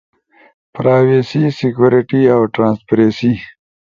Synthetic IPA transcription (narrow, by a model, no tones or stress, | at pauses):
pɾaːwesisɪkjuɾiʈiawʈɾãːnspɾesi